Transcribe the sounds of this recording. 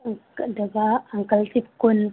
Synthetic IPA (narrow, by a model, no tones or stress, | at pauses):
daɡaaŋkaltipkun